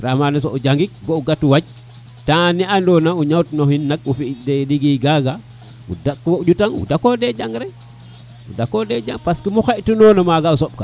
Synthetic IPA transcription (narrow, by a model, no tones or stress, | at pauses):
ɾahmanes̬oud͡ʒaŋɡik̚bouɡatuwaɟ̚ | taniandonauɲawtnohinːakufideɗiɡiɡaɡa | ṵdakːwouɟutaŋṵdakoded͡ʒaŋɡɾe | udakoded͡ʒaŋpaskimuxeʔtunonamaɡausoɓ̚ka